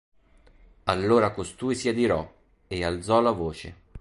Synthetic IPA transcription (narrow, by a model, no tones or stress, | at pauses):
alːoːɾakost̪uːjsiad̪iɾɔ | eald̪zɔlavoːt͡ʃḛ